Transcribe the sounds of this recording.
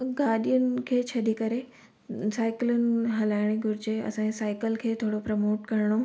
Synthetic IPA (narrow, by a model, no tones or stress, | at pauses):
ɡaːɗijʊnɪ̆kʰeːt͡ɕʰɐɗikɐɾe | saːɪklʊnɪ̆ɦɐlaːɪɽ̃eɡʱʊɾɪd͡ʑeɐ̰sãːesaːɪkəlkʰeːt̪ʰoːɽopɾɐmoːʈkɐɾɽ̃o